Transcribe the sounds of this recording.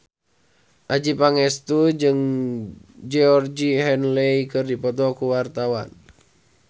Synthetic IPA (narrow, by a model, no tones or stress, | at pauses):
ʔad͡ʒipaŋɛst̪ud͡ʒɨŋ | d͡ʒɛɔrd͡ʒiɦɛnlɛikɨrdipɔt̪ɔkuwart̪awan